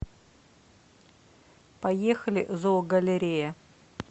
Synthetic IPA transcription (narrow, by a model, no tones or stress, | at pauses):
pɐjexəlʲɪ̰ʔzoɡəlʲɪɾʲejə